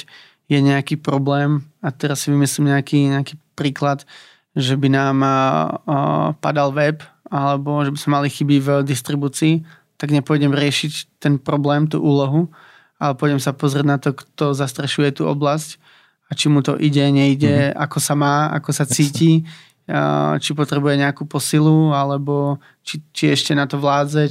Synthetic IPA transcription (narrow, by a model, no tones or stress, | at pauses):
jɛɲɛakiːpɾɔblɛːmat̪ɛɾasːiʋimislimɲɛakiːɲɛakiːpɾiːklat̪ | ʒɛbinaːm | pa̰d̪alʋɛp | alɛbɔʒɛbizmɛmalixibivd̪ist̪ɾibuːt͡siː | t̪aɡɲɛpʊɔɟɛmɾɪɛʃict̪ɛnpɾɔblɛːmt̪ṵːʔuːlɔɦu | alɛpʊɔɟɛmsapɔzɾɪɛɟnat̪ɔkt̪ɔzast̪ɾɛʃujɛt̪uːɔ̰blasc | at͡ʃimut̪ɔ̰ʔiɟɛɲɛiɟɛa̰kɔsamaːa̰kɔsat͡siːci | t͡ʃipɔt̪ɾɛbujɛɲɛakuːpɔsilualɛbɔ | t͡ʃit͡ʃiɛʃcɛnat̪ɔʋlaːd͡zɛ